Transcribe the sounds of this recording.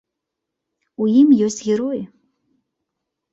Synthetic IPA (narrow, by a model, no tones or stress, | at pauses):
ujimjɔsʲtʲɣʲɛɾoj